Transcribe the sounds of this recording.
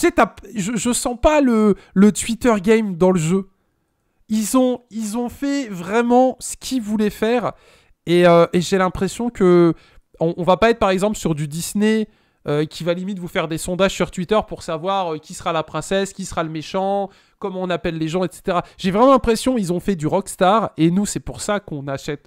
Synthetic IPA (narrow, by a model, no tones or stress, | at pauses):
y̥set̪aʒəʒəsɑ̃palə | lət̪ɥit̪œʁɡʲɛjmd̪ɑ̃ləʒø | ilzɔ̃ilzɔ̃fɛvʁɛmɑ̃sə̥kʲʰivulɛfɛːʁ | eøʔeʒelɛ̃pχesjɔ̃kə | ɔ̃ʔːvapaɛt̪χpaʁɛɡzɑ̃plsyʁd̪yd̪isne | økʲivalimit̪əvufɛʁd̪esɔ̃d̪aʒ̥syʁt̪wit̪œʁpuʁsavwaʁøkʲisəʁalapχɛ̃sɛskʲisəʁaləmeʃɑ̃ | kɔmɔ̃napɛlːeʒɑ̃ɛt̪se̥t̪eʁaʒ̥evʁɛmɑ̃lɛ̃pχesjɔ̃ilzɔ̃fɛd̪yʁɔkst̪aʁenusɛpuʁsakɔ̃naʃɛt̪